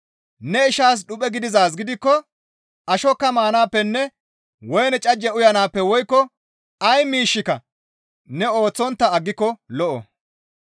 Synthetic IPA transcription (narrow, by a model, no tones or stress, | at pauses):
nɛɪʃaːs̬ɗʊpʼɛɡɪd̪ɪzaːs̬ɡɪd̪ɪkːɔ | ʔɐʃɔkːɐmaːnaːpːɛnːɛ | wɔjnɛt͡ʃʼɐd͡ʒːɛʊjɐnaːpːɛwɔjkːɔ | ɐjmiːʃːɪkɐ | nɛo̞ːt͡sːɔnt̪ːɐɐɡːɪkːɔlɔʔɔ̰